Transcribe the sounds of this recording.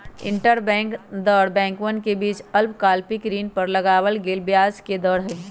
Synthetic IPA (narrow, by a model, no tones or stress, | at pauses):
ɪ̰̃ɳʈəɾbɛ̃ːŋkd̪ɔːɽbɛ̃ːŋkwənkebiːt͡ʃɐlpkaːlpikɾiːnpəɾlɐɡaːwəlɡelbjaːd͡ʒked̪ɔːɽɦɛ